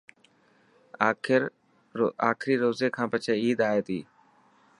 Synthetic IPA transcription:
ɾ | aːkʰɾiːɾoːzeːkʰãːpət͡ʃʰeːiːd̪aːeːt̪ḭː

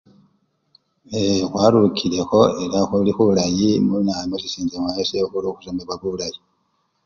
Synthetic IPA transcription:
exwaːɾukʰile̞xo̞e̞ɾaxulixuulajimunaimosisiːɲd͡ʒemwajesexuɾoxusombeβaβuβlaji

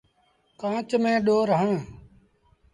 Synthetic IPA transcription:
kãːt͡ʃmẽːɗoːɾɦãː

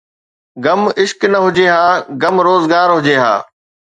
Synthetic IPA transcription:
ɡɐmɪʃknɐɦʊd͡ʑeːɦãːɡɐmɾoːzɡaːɾɦʊd͡ʑeːɦa̰ː

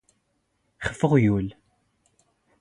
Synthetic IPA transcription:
χə̥fːəʁjul

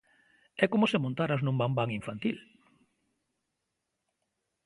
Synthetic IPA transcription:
ɛkomʊsemõnt̪aɾaznũmbambaŋiɱfant̪il

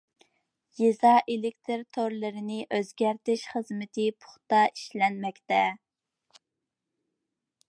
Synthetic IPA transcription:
jezɑʔelɪk̚ʲt̪ʰɨɾt̪ʰoɾlˠɨɾɪnɪʔøzɡʲæɾt̪ɪʃχəzmɪt̪ʰɪpʰʊ̥χt̪ɑi̥ʃlɛnmɛkʲt̪ɛ

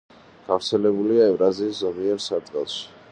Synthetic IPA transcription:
ɡ̥avɾt̪sʰɛlɛbuliaɛvɾaziːszɔmiɛɾsad̪ɡɛlˠʃi̥

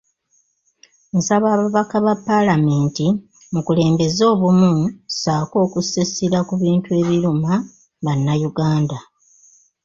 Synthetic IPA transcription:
nsaβaːβaβakaβapːalameːnti | mukule̞ːmbe̞zo̞ːβumusaːko̞ːkusesiɾakuβiːntue̞ːβiɾuma | βanːajuɡaːnda

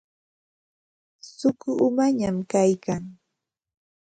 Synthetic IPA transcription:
sʊkʊʊmaɲamkajkaŋ

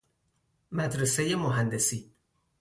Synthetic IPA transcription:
mæd̪ɾesejemoɦænd̪esiː

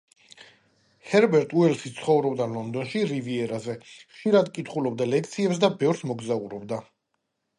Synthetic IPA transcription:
hɛɾbɛɾt̪ʼuɛlsit̪sʰχɔvɾɔbd̪alɔnd̪ɔnʃiɾiviɛɾazɛχʃiɾad̪kʼit̪ʰχulɔb̚d̪alɛk̚ʰt̪sʰiɛps̬d̪abɛvɾsmɔɡzauɾɔbd̪a

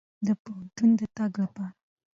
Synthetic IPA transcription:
d̪əpoɦant̪und̪ət̪aɡlapɑɾa

